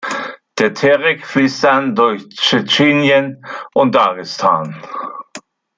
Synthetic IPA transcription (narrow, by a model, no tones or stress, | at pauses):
d̥eːɐtʰɛʁɪkfliːstandʊɐçt͡ʃɛt͡ʃeːnjənʔʊnt̚aɡɪstʰaːn